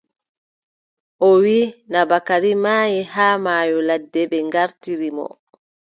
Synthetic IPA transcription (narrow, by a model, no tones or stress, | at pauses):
ʔɔwiːnabakaɾimaːjihaːmaːjɔladːɛbɛŋɡaɾtiɾimɔ̰